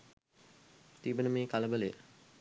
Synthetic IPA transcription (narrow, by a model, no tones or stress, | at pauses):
t̪ibənəmeːkaləbəle